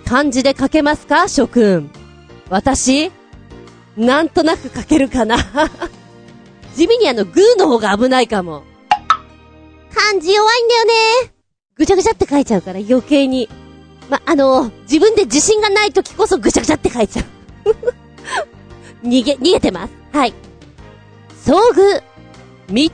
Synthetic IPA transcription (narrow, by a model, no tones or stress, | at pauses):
kʰãɲ̟d͡ʑid̪e̞kake̞masɨ̥kaɕo̞kɯ̟̃ | βat̪aɕi | nãnt̪o̞nakɯ̟kake̞ɾɯ̟kana | d͡ʑimʲiɲ̟iano̞ɡɯ̟ːno̞ho̞ːɡaːbɯ̟naikamo̞̰ | kãɲ̟d͡ʑijoβaĩnd̪ajo̞ne̞ | ɡ̥ɯ̟t͡ɕaɡɯ̟t͡ɕat̪ːe̞kait͡ɕaɯ̟kaɾajo̞ke̞ːɲ̟i | maʔano̞d͡ʑibɯ̟̃nd̪e̞d͡ʑiɕĩŋɡanait̪o̞kʲi̥ko̞so̞ɡɯ̟t͡ɕaɡɯ̟t͡ɕat̪ːe̞kait͡ɕaɯ | ɲʲiɡeɲ̟iɡe̞t̪e̞ma̰sɨ̥hai | so̞ːɡɯ̟ | mʲi